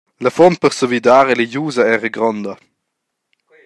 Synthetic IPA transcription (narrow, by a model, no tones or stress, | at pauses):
ləfɔnt̪̚pəʁsəvid̪aːɾeləjuːzɐɛːʁəɡɾɔnd̪ɐ